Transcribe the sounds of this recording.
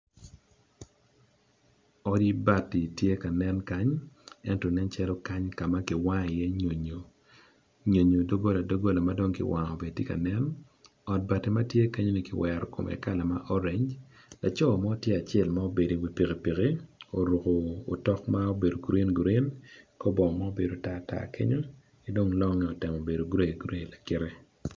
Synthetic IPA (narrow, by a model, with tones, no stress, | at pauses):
ɔ˦di˦ba˨tːi˨tje˦ka˨nɛ˦nka˦ɲɛ˦ntɔ˨nɛ˦nt͡ʃɛ˦lɔ˦ka˦ɲka˨ma˦kɪ˨wa˦ŋɪ˨jɛ˦ɲo˨ɲo˨ | ɲo˨ɲo˨do˦ɡo˦la˨do˦ɡo˦la˨ma˦do˦ŋkɪ̰˦wa˨ŋo˨be˨dtje˦ka̰˨nɛ˦n | ɔ˨t̚ba˨te˨ma˦tje˦ka˦ɲo˦ni˦kɪ˨wɛ˨ɾɔ˨ko̰˨mɛ̰˨ka˦la˨ma˦ʔɔ˦ɾe˨ɲ | la˨t͡ʃɔ˦˨ma˦o˦tje˦a˨t͡ʃɛ˨lma˦o˦be˨di˨wi˨pi˨ke˨pi˨ɣe˦o˨ɾu˨koː˨tɔ˦kma˦o˦be˨do˨ɡu˨ɾe˦nɡu˨ɾe˦nkɔ˦bɔ˨ma˦o˦be˨do˨ta˦˨ta̰˦kḛ˦ɲo˦ | ki˨do˦ŋlɔ˦ŋɛ˨o˨tɛ˨mo˨be˨do˨ɡɾe˦˨ɡɾe˦˨la˨kɪ˦ɾe˦